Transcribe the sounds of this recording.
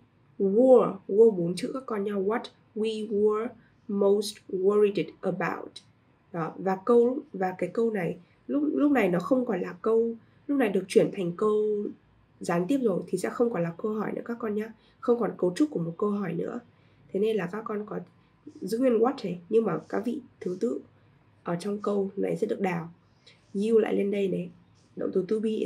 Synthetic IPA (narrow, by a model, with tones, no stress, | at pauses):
wu˧wu˧ɓo˨˦nt͡ɕʰɨ˨˧˥kaː˦˥kːɔ˧nɲaː˧wɔ˨˦t | wi˧wə˧˨˧ | mo˨˩wstwə˧ɹi˧tdʔə˨ɓa̰˧wt̚ | ɗɔ˨˦vaː˨˩kə˧wvaː˨˩kaː˨˦jkə˧wna˨˩j | lʊ˦˥k͡p̚lʊ˦˥k͡p̚na˨˩jnɔ˨˦xə˧wŋ͡mkɔ˨˩nlaː˨˩kə˧w | lʊ˦˥k͡p̚na˨˩jɗɨ˨˩ək̚t͡ɕwi˧˩ənt̪ʰɛ˨˩ŋ̟kə˧w | zaː˨˦nt̪i˦˥əp̚zo˨˩jt̪ʰi˨˩sɛ̰˧˥xə˧wŋ͡mkɔ˨˧˦nlaː˨˩kə˧wɦɔ˧˩jnɨ̰˧˥kaː˦˥kːɔ˧nɲaː˧ | xə˧wŋ͡mkɔ˨˩nkə˧wt͡ɕʊ˦˥k͡p̚ku˧˩əmo˨˩t̚kə˧wɦɔ˧˩jnɨ̰˧˥ə | t̪ʰe˨˦ne˧nlaː˨˩kaː˦˥kːɔ˧nkɔ˨˦ | zṵ˧˦ɲi˧nwɔ˦˥t̚he˨˩jɲɨ˧ŋmaː˨˩kaː˨˦k̚vḭ˧˨t̪ʰɨ˨˦t̪ɨ̰˧˨ | ʔəː˧˩t͡ɕɔ˧wŋ͡mkə˧wna̰˨˩jsɛ̰˧˥ɗɨ˨˩ək̚ɗaː˨˩w | ɲi˧wla̰ː˧˨jle˧nɗə˧jne˨˦ | ɗə̰˧˨wŋ͡mt̪ʰɨ˨˩t̪ɨ˧˦ɓi˧